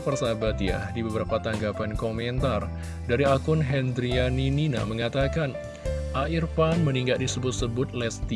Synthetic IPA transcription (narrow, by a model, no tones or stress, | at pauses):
pərsabat̪ja̰dibəbəɾapat̪aŋɡapankomɛnt̪ar | daɾiakʊnɦɛnd̪ɾianinina̰məŋat̪akan | ʔaʔirpanməniŋɡaʔdisəbʊt̪̚səbʊt̪̚lɛst̪i